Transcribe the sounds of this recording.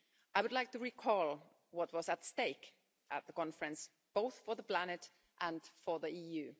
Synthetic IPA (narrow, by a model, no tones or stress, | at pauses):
ʔaɪwɨdˡlaɪk̚tɨɹikʰɔlˠ | wʌt̚wʌzətsteɪk | ʔət̪̚ðəkɑ̃nfɹɨ̃ns | b̥oʊθfə˞ðəpl̥ænɨt | ʔə̃nfə˞ðiijʉ